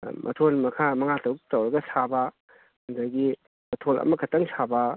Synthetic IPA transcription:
mʔɐ̰tʰolmɐkʰamɐŋatɐwtɐwɾɐɡɐsaba | ɐndaɡi | mɐtʰolɐ̰mɐkʰɐtɐŋsaba

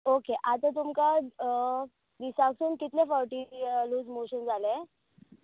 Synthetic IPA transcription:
okeʔat̪ət̪̬umka | d̪isaksunkit̪lefəwʈiːluːd͡zmoɕənd͡zale

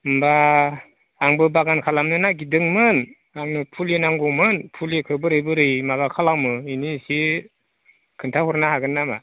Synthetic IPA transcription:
mbaː | ŋbɯbaɡankʰalamnɯnaɡidɯŋmɯn | aŋnɯpʰulenaŋɡɔmɯnpʰulekʰɯbɯɾɯjbɯɾɯjmaɡakʰalawmɯinisi | kʰɯntʰahɔɾnahaɡɯnːama̰

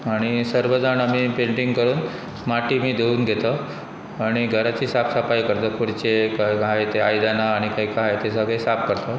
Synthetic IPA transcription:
aɽ̃isəɾʋəd͡zanam̤ipeɳʈiŋɡkəɾuːn | maʈiːmiːd̪euːnɡʱet̪ə | aɽ̃iɡʱəɾat͡ɕiːsapsapajkəɾt̪əkuɾt͡ɕekajkaaet̪eajd̪anaːɽ̃ikaikaɦajet̪esaɡesap̚kəɾt̪ə

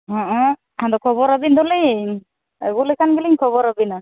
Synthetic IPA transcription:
ɦɔ̃ʔɔ̃ | and̪ɔkʰɔbɔɾabind̪ɔli | ɡulikʰanɡiliŋkʰɔβɔɾabina

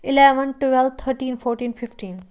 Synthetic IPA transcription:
ɪlɛʋənʈuʋɛl̚t̪ʰəɾʈĩːnfɔːɾʈĩːnfʰɪfʈĩːn

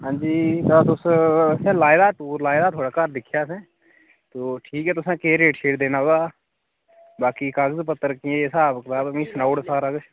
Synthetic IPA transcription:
ɦãːnd͡ʒiːt̪at̪ʊssẽlaːɪd̪aʈuːɾlaːɪd̪at̪ʰoːɽaːkaːɾd̪ɪkʰjasẽ | t̪oːʈʰiːkɦɛːt̪ʊsẽkeːɾeːʈʃʰeːʈd̪eːnaɦoːɡaː | baːkikaːɡəzpət̪ːəɾkiẽesaːpkt̪aːbmĩsnaːʊɽsaːɾəɡt͡ʃʰ

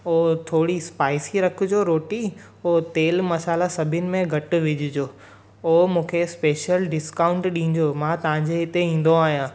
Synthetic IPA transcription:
oːt̪ʰoːɽispaːɪsiɾɐkʰʊ̆d͡ʑoɾoːʈi | oːt̪eːlmɐsaːlasɐbʱɪnɪ̆mẽɡʱɐʈʊ̆ʋɪd͡ʑʱɪd͡ʑoː | oːmũːkʰespeːʃjəlɖɪskaːʊ̃ɳʈɗĩːɲd͡ʑoːmãːt̪ɐʋ̤ãɲd͡ʑeɪt̪eĩːn̆d̪oaːɦijãː

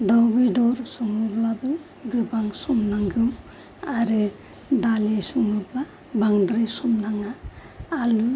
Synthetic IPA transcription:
dawbidɔɾsɔŋɯblabɯ | ɡɯbaŋsɔmnaŋɡɯm | aɾi | dalisuŋɯbla | baŋdɾisɔmnaŋaː | lu

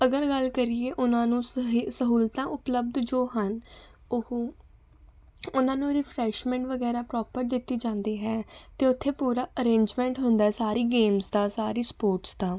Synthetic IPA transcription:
əɡəɾɡəlkəɾiːeːʔʊnãːnũːsəɦuːlt̪ãːʔʊpləb̚d̪d͡ʒoːɦənʊh | ʊnãːnũːɾɪpʰɾɛːʃmɛ̃ːɳʈʋəɡɛːɾaːpɾɔːpəɾd̪ɪt̪ːiːd͡ʒãːnd̪eːɦɛːt̪eːʊt̪ʰːeːpuːɾaːʔəɾẽːɲd͡ʒmɛ̃ːɳʈɦʊ̃nd̪aːɦɛːsaːɾiːɡeːmsd̪aːsaːɾiːspoːɾʈsd̪aː

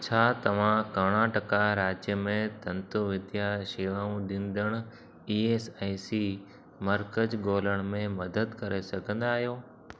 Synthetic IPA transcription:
t͡ɕʰaːt̪ɐʋ̤ãkɐɽ̃ãʈɐkaɾaːd͡ʑjəmẽt̪ɐ̃nt̪oʋɪd̪ʱjaʃiːʋaːũɗɪ̃nd̪əɽ̃ʊ̆ | iːeːsaːisi | mɐɾkəd͡ʑɡoːləɽ̃mẽmɐd̪əd̪kɐɾesɐɡʱə̃nd̪aːɦijoː

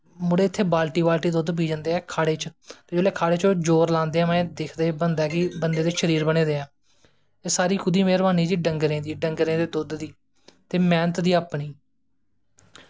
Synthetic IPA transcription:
mʊɽeːɪt̪ʰːeːbaːlʈiːbaːlʈiːd̪ʊd̪p̬iːd͡ʒə̃nd̪eːɛːkʰaːɽeːt͡ʃt̪eːd͡ʒoːleːkʰaːɽeːt͡ʃõːd͡ʒoːɾlãːnd̪eːɛ̃mɛ̃ːd̪ɪkʰd̪eːbənd̪ɛːkɪbənd̪eːd̪eːʃəɾiːɾbəɽeːd̪eːɛ̃ː | eːsaːɾiːkʰʊd̪iːmeːɾbaːniːd͡ʒiːɖəŋɡɾẽːd̪iːɖəŋɡɾẽːd̪eːd̪ʊd̪d̪iː | t̪eːmɛːnət̪d̪iːaːpɳiː

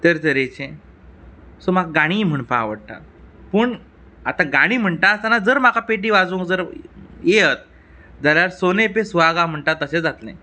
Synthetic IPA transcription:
t̪əɾt̪əɾet͡ɕẽ | somaɡɡaɽ̃iːm̤əɳpa̰ʋəɽʈ̪a̰pəɳ | at̪ãɡaɽ̃iːm̤əɳʈ̪aəst̪anad͡zəɾm̤akʰapeʈiːʋad͡zũŋkd͡zəɾjeɦət̪̚ | d͡zaljaɾsonepesʋaɡam̤əɳʈ̪at̪ːəɕed͡zat̪lḛ̃

